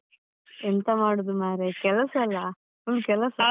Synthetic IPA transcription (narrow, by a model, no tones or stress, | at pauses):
ent̪ɐmaːɽud̪umaːɾekɛlɐsɐlːɐ | ulukɛlɐsɐ